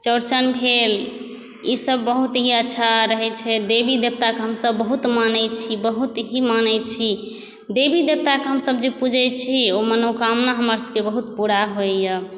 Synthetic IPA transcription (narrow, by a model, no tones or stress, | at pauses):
t͡ʃəɾt͡ʃənbʱel | isəbːəɦut̪ɦiətːʃʰaɾəɦɛt͡ʃʰɛd̪ebid̪eb̚t̪akeɦəmsəbːəɦut̪manɛt͡ʃʰibəɦut̪ɦimanɛt͡ʃʰi | d̪ebid̪eb̚t̪akeɦəmsəbd͡ʒepud͡ʒʱɛjt͡ʃʰiomənokamnaɦəməɾsəbkebəɦut̪puɾaɦojə